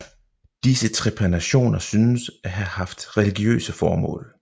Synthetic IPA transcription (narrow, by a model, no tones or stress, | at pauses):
d̥isət͡sʰʁɛpʰʁɛnæɕo̝̰ːnɐsynəsʔæɦæhɑ̈fd̥ʁɛliɡ̥jø̰ːsəfɒːmɔ̰̽ːl